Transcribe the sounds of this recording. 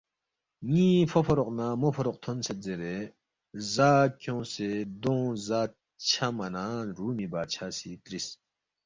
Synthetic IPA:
ŋĩːfofʰɐɾoqnaːmofɐɾoq̚t̪ʰonset̪̚d͡zeɾe | zaːkjõsed̪õːzaː | t͡ɕʰamɐnãːɾuːmibaːt͡ɕʰasit̪ɾis

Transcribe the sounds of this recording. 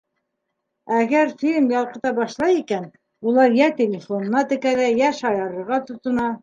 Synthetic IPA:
æɡæɾfʲilʲmjɑlˠqɤ̆t̪ɑbɑʃlˠɑjikæn | ulˠɑɾjæt̪ʲelʲɪfonɤ̆nɑt̪ɘ̆kæɾæjæʃɑjɑɾɤ̆ɾʁɑt̪ŏt̪ŏnɑ

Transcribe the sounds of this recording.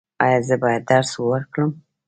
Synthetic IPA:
ɑ̰jɑzəbɑjad̪̚ːaɾswəɾkɽəm

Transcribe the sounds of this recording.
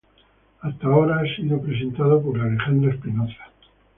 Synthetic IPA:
ast̪aoɾaasiðopɾe̞s̬e̞nt̪að̞opoɾlale̞xand̪ɾaespinoθḁ

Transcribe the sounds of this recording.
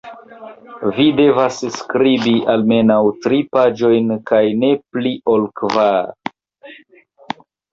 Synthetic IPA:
vide̞vasskɾibialme̞nawtɾipad͡ʒo̞jnkajne̞pliʔo̞lkva

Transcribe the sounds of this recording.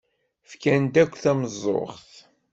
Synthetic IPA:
fkænd̪ækʷːθæməzˤːo̰χθ

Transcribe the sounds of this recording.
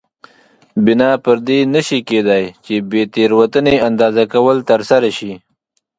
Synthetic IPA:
bɪnɑpəɾd̪enəʃiked̪ajt͡ʃebet̪eɾwat̪əneand̪ɑːzakawəlt̪əɾsaɾaʃi

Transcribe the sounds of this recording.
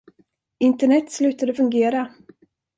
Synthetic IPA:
ɪnt̪əɳɛt̪ːslʉ̟ːt̪ad̪əfɵŋɡeːɾa

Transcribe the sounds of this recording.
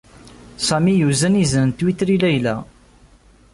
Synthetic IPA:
sæmijuzænizənnt̪wit̪ɾilæjlæ̰

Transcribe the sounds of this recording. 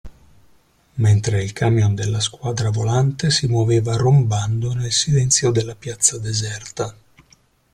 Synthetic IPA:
ment̪ɾeilkʰamjond̪elːaskwaːd̪ɾavolant̪esimoveːvaromband̪onelsilɛnt̪sjod̪elːapjat̪sːad̪ezɛrt̪a

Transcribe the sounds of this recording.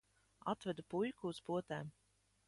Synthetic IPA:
at̪vɛd̪upujkuːspuɔt̪ɛːm

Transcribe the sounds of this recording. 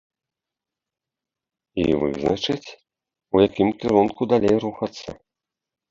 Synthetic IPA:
ḭvɨ̰znɐt͡ʂɨt͡sʲ | ujakʲimkʲiɾunkud̪alʲejɾuxɐt̪sːɐ̰

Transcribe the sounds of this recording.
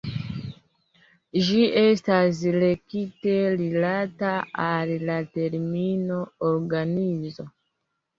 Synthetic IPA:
d͡ʒie̞stas̬le̞kite̞ɾilataalːate̞ɾmino̞oɾɡanizo̞

